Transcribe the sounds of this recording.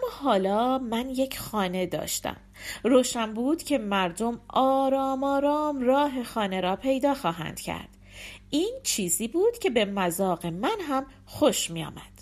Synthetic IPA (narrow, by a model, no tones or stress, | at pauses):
æmːɒːɦɒːlɒːmænje̞cʰxɒːne̞d̪ɒ̰ːʃt̪æ̰m | ɾoːʃæmbuːd̪̥cʰe̞mæɾd̪o̞mɒːɾɒːmɒːɾɒːmrɒːɦe̞xɒːne̞ɾɒːpʰe̞jd̪ɒːxɒːɦæ̰nd̪̥cʰæ̰ɾd̪̥ | ʔiːnt͡ʃʰiːziːbuːd̪̥cʰe̞be̞mæzɒːɣe̞mænɦæm | xoʃmiːjɒ̰ːmæ̰d̪̥